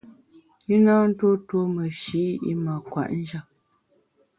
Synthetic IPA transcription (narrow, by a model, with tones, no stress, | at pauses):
i˦na˦n̩˦to˦two˦mə˨ʃi˨˦ḭ˦ma˨kwa̰˨ʔn̩˦d͡ʒa˦˨